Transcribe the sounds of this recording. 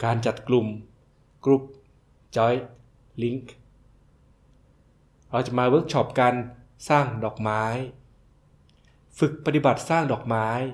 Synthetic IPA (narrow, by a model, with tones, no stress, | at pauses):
kaː˧nt͡ɕa˨˩t̪̚klu˨˩m | kɾu˦˥p̚ | t͡ɕɔ˦˥j | li˦˥ŋk | ɾa˧wt͡ɕa˨˩maː˧wɤː˦˥k̚t͡ɕʰɔ˦˥p̚ka˧n | saː˥˩ŋdɔː˨˩k̚maː˦˥j | fɯ˨˩k̚pa˧t̪i˨˩ba˨˩t̪̚saː˥˩ŋdɔː˨˩k̚maː˦˥j